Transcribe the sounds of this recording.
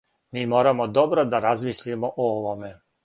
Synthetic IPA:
miːmoːɾamod̪o̞bɾod̪aɾazmislimoʔooʋome̞

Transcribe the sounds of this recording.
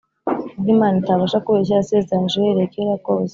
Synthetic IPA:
ɡimaːnitaβaʃakuβeʃ̬easezanʒejeɾekeɾakoːze

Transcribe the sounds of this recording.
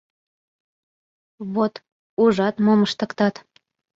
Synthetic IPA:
βot̪ | uʒɑt̪moməʃt̪ə̆kt̪ɑt̪

